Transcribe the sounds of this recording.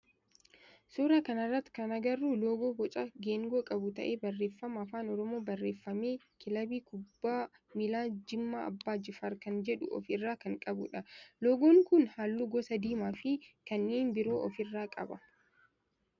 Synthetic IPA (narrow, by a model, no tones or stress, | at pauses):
suːɾaːkɐnɐrːɐt̪ːkɐnɐɡɐrːuːloːɡoːbɔt͡ʃʼɐɡeːŋɡoːkʼɐbʊt̪ɐ̰ʔeːbɐrːe̞ːfːɐmɐːfaːnɔɾɔmo̞ːbɐrːe̞ːfːɐme̞ː | kɪlɐbiːkʊbːaː | mɪlaːd͡ʒɪmːaːɐ̰bːaːd͡ʒɪfɐɾkɐnd͡ʒɛᶑʊ̰ʔɔ̰fɪrːaːkɐŋkʼɐbʊᶑɐloːɡoːŋkʊnhaːlːuːɡɔsɐd̪iːmaːfɪkɐnːiːnbɪɾo̞ːʔɔfɪrːaːkʼɐ̰bɐ